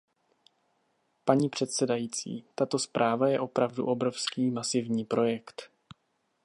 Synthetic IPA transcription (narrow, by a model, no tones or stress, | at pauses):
paɲiːpr̝̥ɛt̪sɛdajiːt͡sḭːt̪at̪o̞spɾʔaːvajɛʔo̞pɾavdṵʔo̞bɾo̞fskiːmasɪvɲiːpɾo̞jɛkt̪